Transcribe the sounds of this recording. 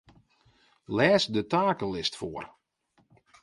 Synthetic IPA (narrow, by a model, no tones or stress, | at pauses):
lɛːsdətaːkəlɪstfoər